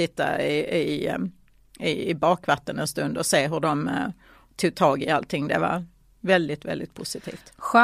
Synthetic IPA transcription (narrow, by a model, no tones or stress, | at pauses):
ɪt̪ːa̰ɪɪ | ɪɪbɑːkvat̪ːənɛnst̪ɵnd̪ɔseːɦɵɖɔm | t̪ʰuːɡ̚t̪ʰɑːɡɪalt̪ʰɪŋːd̪ɛva̰ɾ | vɛld̪ɪt̪vɛ̰ld̪ɪt̪̚pʰʊsɪt̪ʰḭːft̪ɧ